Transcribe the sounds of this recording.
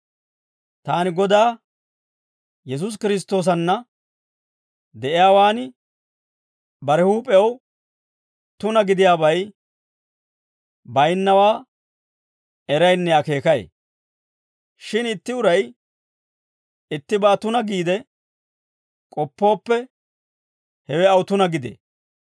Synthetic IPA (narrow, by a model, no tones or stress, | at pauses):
t̪aːnɪɡɔd̪aː | jɛs̬ʊs̬kɪɾɪs̬t̪ːo̞ːs̬ɐnːɐ | d̪ɛʔɪjaːwaːnɪ | bɐɾɛhuːpʼɛw | t̪ʊnɐɡɪd̪ɪjaːbɐj | bɐjnːɐwaː | ɛɾɐjnːɛjake̞ːkɐjḛ | ʃɪnɪt̪ːɪʊɾɐj | ɪt̪ːɪbaːt̪ʊnɐɡiːd̪ɛ | kʼɔpːo̞ːpːɛ | hɛwɛɐwt̪ʊnɐɡɪd̪ḛː